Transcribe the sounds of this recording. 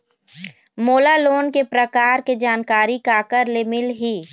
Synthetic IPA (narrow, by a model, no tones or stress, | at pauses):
moːlaloːnkepɾəkaːɾked͡ʒaːnkaːɾikakəɾlemɪlɦiː